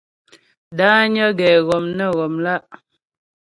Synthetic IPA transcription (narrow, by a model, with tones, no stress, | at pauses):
daː˦ɲə˦ɡɛː˨ɣɔ˨mnə˦˨ɣɔ˨mla˦ʔ